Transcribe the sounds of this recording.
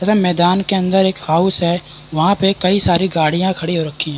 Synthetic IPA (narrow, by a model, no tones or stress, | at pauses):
tɐt̪ʰɛ̃mɛːd̪aːnkeɐ̃nd̪əɾeːkhaːʊsɦɛ | ʋɐɦãpekɐisaːɾiɡaːɽijãkʰɐɽiɦoɾɐkʰːiɦɛ̃ː